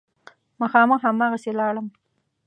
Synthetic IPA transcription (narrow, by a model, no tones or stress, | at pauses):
maxɑməxɦamɑɣaselɑɽəm